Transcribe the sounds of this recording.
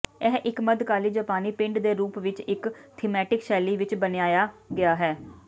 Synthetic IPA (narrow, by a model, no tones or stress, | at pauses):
ɛɦʔɪkməd̪kaːliːd͡ʒaːpaːniːpɪ̃ɳɖd̪eːɾuːpʋɪt͡ʃɪkt̪ʰiːmɛːʈɪkʃɛːliːʋɪt͡ʃbənɪaːjaːɡɪaːɦɛː